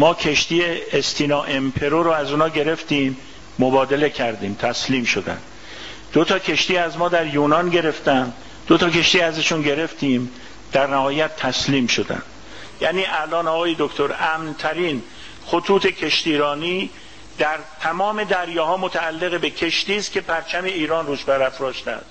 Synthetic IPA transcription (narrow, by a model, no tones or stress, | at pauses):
mɒːcʰe̞ʃt̪iːeest̪ʰiːnɒːʔe̞mpʰe̞ɾoɾoæzuːnɒːɟe̞ɾe̞ft̪iːmː | obɒːd̪e̞le̞cʰæɾd̪iːmt̪ʰæsliːmʃo̞d̪æ̰nd̪ | d̪̥ot̪ʰɒːkʰe̞ʃt̪iːæzmɒːd̪æɾjuːnɒːnɟe̞ɾe̞ft̪ænd̪ | d̪̥ot̪ʰɒːke̞ʃt̪iːæzæʃunɟe̞ɾe̞ft̪iːm | d̪̥æɾnæhɒːjæt̪ʰːæsliːmʃod̪æ̰nd̪̥ | jæːniːʔælɒːnɒːɣɒːje̞d̪okt̪ʰo̞ɾæmnt̪ʰæɾiːn | xot̪ʰuːt̪ʰe̞kʰe̞ʃt̪iːɾɒːniː | d̪̥æɾt̪ʰæmɒːme̞d̪æɾjɒːhɒːmot̪ʰæːlːe̞ɣebe̞kʰe̞ʃt̪iːst̪̚cʰʲe̞pʰæɾt͡ʃʰæme̞iːɾɒːnruːʃbæɾæfɾɒːʃt̪æ̰nd̪̥